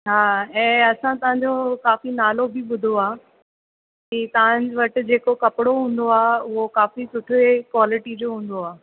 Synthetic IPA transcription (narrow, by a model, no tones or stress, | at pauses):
ɦaːɛ̃ːɐsãt̪ɐɦãɲd͡ʑokaːfinaːlobiɓʊd̪ʱoaː | kit̪ɐʋ̤ãɲd͡ʑɪʋɐʈɪ̆d͡ʑeːkokɐpɪɽoɦũːn̆d̪oaːʊɦokaːfisʊʈʰekwaːlɪʈid͡ʑoːɦũːn̆d̪oaː